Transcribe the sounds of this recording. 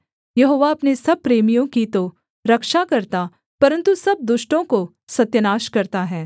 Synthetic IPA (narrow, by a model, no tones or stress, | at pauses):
jɐɦoːʋaɐpnesɐb̚pɾeːmijõkit̪o | ɾɐkʃakɐɾt̪a | pɐɾə̃nt̪usɐb̚d̪ʊʃʈõko | sɐt̪jənaːʃkɐɾt̪aɦɛː